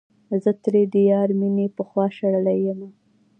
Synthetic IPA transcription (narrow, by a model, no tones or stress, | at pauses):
zət̪ɾed̪ijɑɾminepəxwɑʃaɽəlajəma